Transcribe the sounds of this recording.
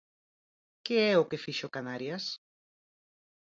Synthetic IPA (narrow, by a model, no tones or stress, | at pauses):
keɛʊkɪfiʃʊkanaɾjas